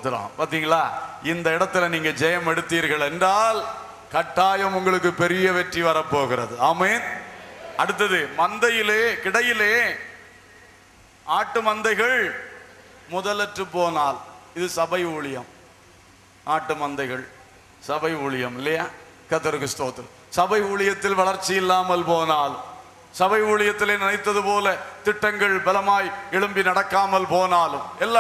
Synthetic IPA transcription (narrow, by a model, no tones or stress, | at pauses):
t̪ːɯɾã̰ːpaːɾt̪iːŋɡɐɭaːɪnd̪ɐɪɽɐt̪ːɪlɐniːŋɡɐd͡ʒɛjɐmɛɽɯt̪ːiːɾɣɐɭɛndraːl | kɐʈːaːjɐmʊŋɡɐɭɯk̬ːɯpɛɾɪjɐʋɛʈriʋɐɾɐpːoːɣɪɾɐðɯaːmeːn | ɐɽɯt̪ːɐðɯmɐnd̪ɐjɪleːkɪɽɐjɪleː | aːʈːɯmɐnd̪ɐɪɣɐɭ | mʊðɐlɐʈrɯpːoːnaːlɪðɯsɐbɐɪuːɭɪjɐm | ʔaːʈːɯmɐnd̪ɐɪɣɐɭ | sɐbɐɪuːɭɪjɐmɪlːɐjaː | kɐt̪ːɐɾɣɯst̪oːt̪ːɯ | sɐbɐɪuːɭɪjɐt̪ːɪlʋɐɭɐɾt͡ʃːɪjɪlːaːmɐlpoːnaːlm | sɐbɐɪuːɭɪjɐt̪ːɪleːnɪnɐɪt̪ːɐðɯpoːlɐt̪ɪʈːɐŋɡɐɭbɐlɐmaːjɛɭɯmbinɐɽɐkːaːmɐlpoːnaːlɯmɛlːa